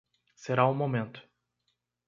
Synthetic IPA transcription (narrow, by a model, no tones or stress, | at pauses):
seɾaʊ̃momẽnt̪ʊ̥